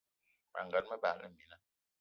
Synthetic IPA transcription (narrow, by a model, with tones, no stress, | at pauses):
ma̰˨ŋɡa˨˦t̚mə˦ba̰˨lə̰˦˨mi˨˦na˦